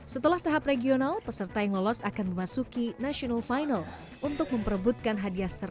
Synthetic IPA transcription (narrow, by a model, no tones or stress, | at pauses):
sət̪əlaht̪aɦapreɡionalpəsərt̪ajaŋlɔlɔsakanməmasukinasionalfajnal | ʔunt̪ʊk̚məmpərəbut̪̚kanɦadiasər